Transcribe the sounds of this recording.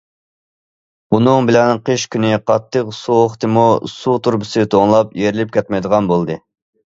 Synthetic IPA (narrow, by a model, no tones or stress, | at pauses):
unɨŋbɪlɛnqʰəʃkʲʰynɪqʰɑt̪ʰːəqsuoχt̪ʰɨmusut̪ʰuɾbɨsɨt̪ʰoŋlˠɑpjeɾɪlɪp̚kʲɛt̪̚mɛjd̪əʁɑnbolˠd̪ɨ